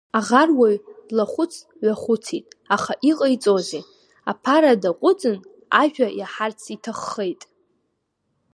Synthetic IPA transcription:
aʁarwajlaχʷʊt͡sʰ | ɥʷaχʷʊt͡sʰitʼaχaʔiqʼəjt͡sʼoze | apʰaɾadaqʷʼʊt͡sʼɨn | a̰ʒᶣajaħart͡sʰitʰaχːejtʼ

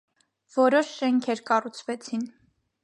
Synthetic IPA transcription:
vɔɾɔʃʃɛŋkʰɛɾkɑrut͡sʰvɛt͡sʰin

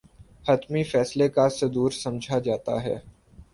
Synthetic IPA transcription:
hɐt̪mifɛːslekased̪uːɾsɐ̃md͡ʒʱad͡ʒaːt̪a̰ɦɛ̰ː

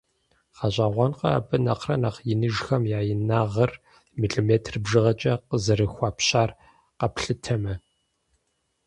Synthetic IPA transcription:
χɑʑʼaːʁʷɔnqɐa̰bɨnɐqrɐnaχjɪnɨʒxɐmjaːjɪnaːʁɐr | miɬʼomeːtʰrɨbʒɨʁɐt͡ʃʼɐqəzɐɾɨxʷaːpɕaːr | qɐpɬɨtʰɐmɐ

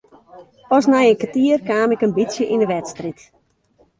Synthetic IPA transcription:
ɔsnɛjənkətiərkaːmɪkənbitsjəʔinəʋɛtstrit

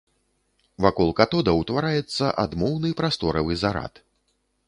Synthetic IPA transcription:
vakɔlˠkat̪ɔd̪ɐwt̪vaɾajɛt̪sːɐʔad̪mɔwnɨpɾast̪ɔɾɐvɨzaɾa̰t̪

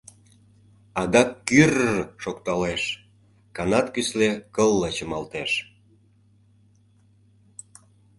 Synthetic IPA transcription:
ɑd̪ɑkːyrʃokt̪ɑleʃ | kɑnɑt̪kyslekəlːət͡ɕə̆mɑlt̪eʃ

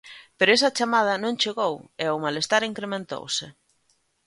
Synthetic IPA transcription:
peɾoes̬ɐt͡ʃamað̞ɐnõŋt͡ʃeɣoweomalest̪aɾiŋkɾemẽnt̪o̰wsɪ

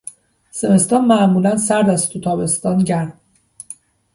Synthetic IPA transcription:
se̞me̞st̪ɒːnmæʔmuːlænsæɾd̪æst̪ʰut̪ʰɒːbe̞st̪ɒːnɟæɾm

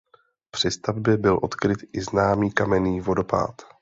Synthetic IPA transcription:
pr̝̥ɪst̪avbjɛbɪlʔo̞t̪kɾɪt̪ʔɪznaːmiːkamɛniːvo̞do̞pa̰ːt̪

